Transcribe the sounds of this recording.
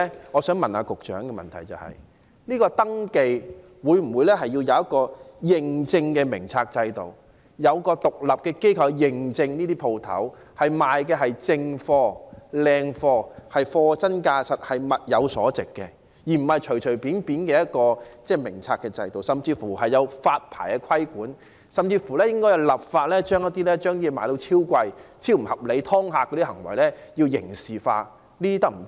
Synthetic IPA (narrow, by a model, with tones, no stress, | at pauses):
ŋɔː˨˧sœː˨˥ŋmɐ˨naː˧kʊ˨k̚t͡ʃœ̰ː˨˥ŋkɛ˧mɐ̰˨˩nt̪ʰɐ˨˩jt͡sɐ̰˨˩whɐ̰˨j | niː˥kɔː˧t̪ɐ˥ŋke˧j | wuː˨˧jm̩˨˩wu˨˧jlɛː˥ɦɐ˨jːiː˧wjɐ˨˧wjɐ˥t̚kɔː˧jɪ˨˩ŋt͡sɪ˧ŋkɛː˧mɪ˨˩ŋt͡sʰaː˧k̚t͡sɐ˧jt̪o˨w | jɐ˨˧wkɔː˧t̪ʊ˨k̚lɐ˨p̚kɛː˧ke˥jkʰɐ˧wjɪ˨ŋt͡sɪ˧ŋniː˥t̪iː˥pʰo˧wt̪ʰɐ̰˨˥w | hɐ˨jmaː˨jkɛː˧ɦɐ˨jt͡sɪ˧ŋfɔː˧lɛː˧ŋfɔː˧hɐ˨jfɔː˧t͡sɐ˥nkaː˧sɐ˨t̚hɐ˨jmɐ˨t̚jɐ˨˧wsɔː˨˥t͡sɪ˨kːɛ̰˧ | jiː˨˩m̩˨˩hɐ˨jt͡ʃʰɵ˨˩ɥt͡ʃʰɵ˨˩piː˨˥npiː˨˥nkɛː˧jɐ˥t̚kɔː˧t͡sɛː˥˩mɪ˨˩ŋt͡sʰaː˧kːɛː˧t͡sɐ̰˧jt̪o˨˩wsɐ˨mt͡siː˧fuː˨˩ɦɐ˨jːɐ˨˧wfaː˧t̚pʰa̰ː˨˩jkɛ˧kʷʰɐ˥jkuː˨˥n | sɐ˨mt͡siː˧fuː˨˩lɛː˥jɪ˥ŋkɔ˥jɐ˨˧wlɐ˨˩p̚faː˧t̚lɛː˥t͡ʃœː˥ŋjɐ˥t̪̚ːiː˥lɛː˥t͡ʃœː˥ŋni˥ɛ˧maː˨˧jt̪o˨˥wt͡sʰiː˥wkʷɐ˧jt͡sʰiː˥wm̩˨˩hɐ˨p̚le˨˧jt̪ʰɔː˥ŋɦaː˧kːɔ˨˧˥i˥hɐ˨˩ŋwɐ̰˨˩jlɛː˥ji˧wjɪ̰˨˩ŋsiː˨fa̰ː˧ | niː˥iː˥t̪ɐ˥m̩˨˩